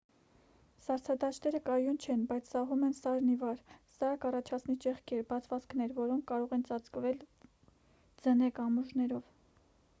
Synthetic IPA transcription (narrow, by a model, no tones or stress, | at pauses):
sɑɾt͡sʰɑd̪ɑt͡ʃʰt̪ɛɾəkɑjunt͡ʃʰɛnbɑjt͡sʰsɑɦumɛnsɑɾnivɑɾsɑkɑrɑt͡ʃʰɑt͡sʰnit͡ʃɛχkʰɛɾbɑt͡sʰvɑt͡skʰnɛɾvɔɾɔŋkʰːɑɾɔʁɛnt͡sɑt͡skvɛl | d͡zənɛkɑmuʒnɛɾɔv